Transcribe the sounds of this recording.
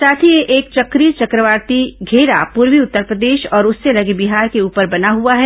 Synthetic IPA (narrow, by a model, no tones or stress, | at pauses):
saːt̪ʰijeʔeːk̚t͡ʃɐkɾiɾt͡ʃɐkɾəʋaːɾt̪iɡʱeːɾapuːɾwiʊt̪ːəɾpɾəd̪eːʃɔːɾʊsːelɐɡebiɦaːɾkeuːpəɾbɐnaɦuaɦɛ